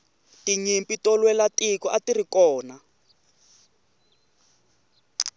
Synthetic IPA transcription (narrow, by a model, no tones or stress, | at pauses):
tiɲimpitɔlwɛlatikɔʔatirikɔːna